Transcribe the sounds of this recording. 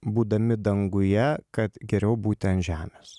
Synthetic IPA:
buːd̪ɐmʲɪd̪ɐŋɡʊjɛkɐt̪ɡʲɛɾʲɛʊbuːt̪ʲɛnʒʲæːmʲeːs

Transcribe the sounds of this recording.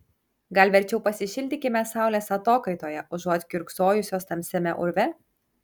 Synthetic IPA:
ɡɐlʲʋʲɛɾʲt͡ʃʲɛʊpɐsʲɪʃʲɪlʲd̪ʲɪkʲɪmʲɛsɑˑʊlʲeːsɐt̪oːkɐɪt̪oːjɛʔʊʒuɔt̪ʲkʲʊɾksoːjʊsʲoːst̪ɐmʲsʲɛmʲɛʔʊɾʲʋʲɛ

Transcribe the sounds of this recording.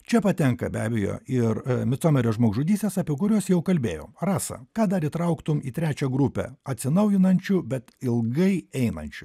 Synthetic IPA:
t͡ʃʲɛpɐt̪ʲɛŋkɐ̰bʲæːbʲɛjo̰ːɪɾmʲɪt̪soːmʲɛɾʲoːʒmoːɡʒʊd̪ʲiːst̪ʲeːsɑːpʲiɛkʊɾʲoːsjɛʊkɐlʲbʲeːjo̰ːmrɑːsɐ̰kɑːd̪ɐɾit̪ɾɐʊkt̪ʊmiːt̪ʲɾʲæːt͡ʃʲɛɡɾupʲɛ̰ːɐt̪ʲsʲɪnɐʊjɪnɐnʲt͡ʃʲʊbʲɛt̪ɪlˠɡɐɪɛɪnɐ̰nʲt͡ʃʲʊ

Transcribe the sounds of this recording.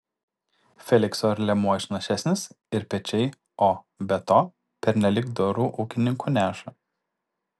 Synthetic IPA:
fʲɛlʲɪksoɾʲlʲɛmuɔɪʃʲnɐʃʲæsʲnʲɪs | ɪɾpʲɛt͡ʃʲɛɪ | oː | bʲɛt̪oː | pʲɛɾʲnʲɛlʲɪkd̪oɾuːʔuːkʲɪnʲɪŋkuːnʲæːʃɐ

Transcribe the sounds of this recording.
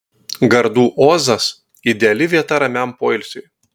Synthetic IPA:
ɡɐɾd̪uːʔoːzɐs | ɪd̪ʲɛɐlʲɪʋʲiɛt̪ɐɾɐmʲæmpoːɪlʲsʲʊj

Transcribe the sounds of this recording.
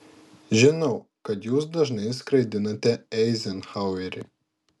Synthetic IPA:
ʒʲɪnɐʊkɐt̪juːsd̪ɐʒnɐɪskɾɐɪd̪ʲɪnɐt̪ʲɛɛɪzʲɛnxaˑʊɛɾʲɪ̰

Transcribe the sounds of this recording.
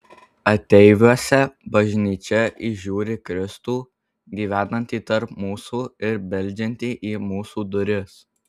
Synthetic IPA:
ɐt̪ʲɛɪʋʲuɔsʲɛbɐʒʲnʲiːt͡ʃʲɛʔiʒʲuːɾʲɪkɾʲɪst̪uː | ɡʲiːʋʲæːnɐnʲt̪ʲiːt̪ɐɾpmuːsuːɪɾbʲɛlʲˑd͡ʒʲɛnʲt̪ʲiːʔiːmuːsuːd̪ʊɾʲɪs

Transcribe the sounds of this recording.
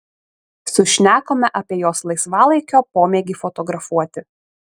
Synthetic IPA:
sʊʃʲnʲæːkoːmʲɛʔɐpʲiɛjoːslˠɐɪsʋɑːlˠɐɪkʲoːpoːmʲeːɡʲɪfɔt̪ɔɡɾɐfuɔt̪ʲɪ

